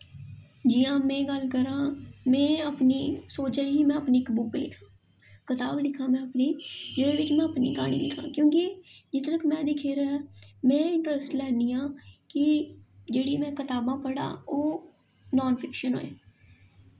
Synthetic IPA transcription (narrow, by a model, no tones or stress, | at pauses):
d͡ʒiːãːmɛ̃ːɡəlkəɾãːmɛ̃ːəpniːsoːt͡ʃɾiːiːmɛ̃ːəpniːɪkbʊklɪ̰kʰãː | kɪt̪aːblɪkʰãːmɛ̃ːəpniːd͡ʒeːɽeːʋɪt͡ʃmɛ̃ːəpnḭːɡaːɽ̃ḭːlɪkʰã̰ːkjõːkid͡ʒɪt̪t̪əkmɛ̃ːd̪ɪkʰeːɾɛːmɛ̃ːɪ̃ɳʈəɾəsʈlɛːnd̪iːãːkɪd͡ʒeːɽiːmɛ̃ːkɪt̪aːbãːpəɽã̰ːoː | nɔːnpʰɪkʃənɦo̰ːjaː